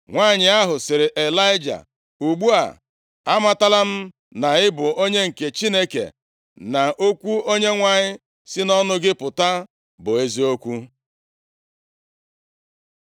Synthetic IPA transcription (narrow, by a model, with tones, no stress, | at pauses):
ŋʷa˦ɲɪ˨a˦ɦʊ˨sɪ˨ɾɪ˨ʔe˨la˦ɪ˦d͡ʒa̰˨ | u˨ɡ͡bu˦a̰˨ | a˦ma˨ta˦la˦m̩˦ | na˨ɪ˦bʊ˨o˦ɲe˦ŋ̩˨ke˨t͡ʃi˦ne˦kḛ˨ | na˨ʔo˦kʷu˦o˦ɲe˦ŋʷa˨ɲɪ˦ | sɪ˦nɔ˦nʊ˦ɡɪ˦pʊ˨ta˦ | bʊ˨e˦zi˦o˦kʷu˦